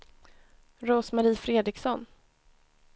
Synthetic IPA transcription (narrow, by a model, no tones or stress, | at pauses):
ɾoːsmaɾiːfɾeːd̪ɾɪksɔnː